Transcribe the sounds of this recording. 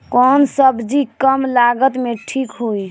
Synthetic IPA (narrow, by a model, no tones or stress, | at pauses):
kɔnsəbd͡ʒikəmlaɡət̪meʈʰikɦoj